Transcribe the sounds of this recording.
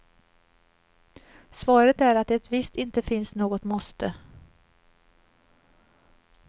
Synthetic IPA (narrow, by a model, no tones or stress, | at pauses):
svɑːɾət̪æɾat̪̚d̪ɛɛt̪vɪst̪ɪnt̪əfɪnsnoːɡɔt̪mɔst̪ə